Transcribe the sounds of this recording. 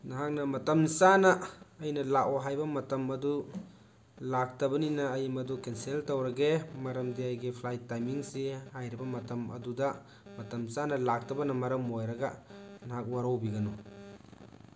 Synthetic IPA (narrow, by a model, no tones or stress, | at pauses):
naɦak̚nɐmɐtɐmsanɐːjnɐlakwoɦajbɐmɐtɐmɐdu | lak̚tɐbɐninɐːjimɐdukenseltɐwɾɐɡemɐɾɐmdiajɡipʰlajtːajmiŋsihajɾibɐmɐtɐmɐ̰dudɐ | mɐtɐmsanɐlak̚tɐbɐnɐmɐɾɐmojɾɐɡɐnaɦak̚waɾɐwbiɡɐnu